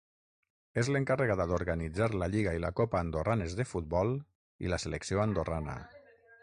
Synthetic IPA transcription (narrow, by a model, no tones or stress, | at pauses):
ezleŋkareɣaðaðoɾɣanid͡zaɾləʎiɣailakopaːnd̪oranezðefut̪̚bɔlˠ | ḭləseleksioand̪oranə̰